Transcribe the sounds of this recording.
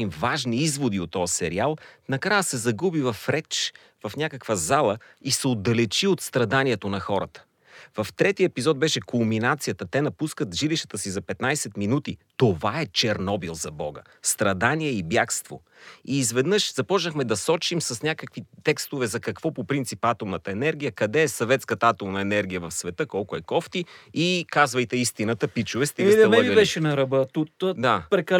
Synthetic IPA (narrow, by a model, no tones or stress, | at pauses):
imvaʒniizvod̪iot̪ːɔvɐsɛɾialˠnɐkɾajəsɛzɐɡubivɐfɾɛt͡ʃ | vɐfnʲakəkvəzalˠə | isɛod̪ːɐlɛt͡ʃiot̪st̪ɾɐd̪aniɛt̪onɐxɔɾə̰t̪ə̥ | vɐft̪ɾɛt̪iəɛpizɔt̪̚bɛʃɛkʰomminat̪sijət̪ət̪ɛnɐpuskət̪ʒiliʃt̪ə̥t̪əsizɐpɛt̪najsɛt̪minut̪it̪ovaɛt͡ʃɛɾnɔbilˠzɐbɔɡə̰ | st̪ɾɐd̪aniɛibjakst̪vo̰ | iːzvɛd̪nɤʃzɐpɔt͡ʃnəxmɛd̪ɐsɔt͡ʃimsɐsnʲakəkvit̪ɛkst̪ovɛzɐkɐkv̥ɔpopɾint̪sipat̪omnət̪əɛnɛɾɡʲijəkɐd̪ɛːsɐvɛt̪skət̪ɐat̪omnəɛnɛɾɡʲijəvɐfsvɛt̪ɤkɔlˠkʊɛkɔft̪iikazvəjt̪ɛist̪inɐt̪əpit͡ʃʊvɛst̪isɛɛlmɛəibɛʃɛnɐɾɐbət̪ut̪ːd̪apɾɛkɐl